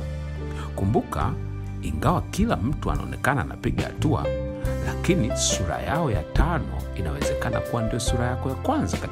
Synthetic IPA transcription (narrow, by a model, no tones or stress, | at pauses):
kumbuka̰ | iŋɡawakilam̩tua̰naɔnɛkanaːnapiɠaha̰tua̰ | lakinisuɾa̰jaɔjatʰanɔ̰inawɛzɛkana̰kuwandijɔsuɾajakɔjakwanzaka